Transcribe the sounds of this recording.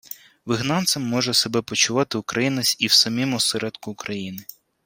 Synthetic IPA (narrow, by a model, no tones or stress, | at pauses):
ʋɪɦnɑnt̪sɐmːɔʒɛsebɛpɔt͡ʃʊʋɑt̪ɪʊkɾɐjinɐsʲiwsɐmʲimʊsɛɾɛd̪kʊːkɾɐjinɪ